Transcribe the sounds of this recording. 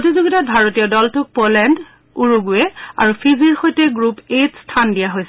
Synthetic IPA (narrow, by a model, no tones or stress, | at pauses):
otizuɡitabʱaɹotijɔdɔltʊk̚polɛnd | uɹuɡuɛa̰ɹupʰiziɹxojtɛɡɹupetstʰandijaɦojsɛ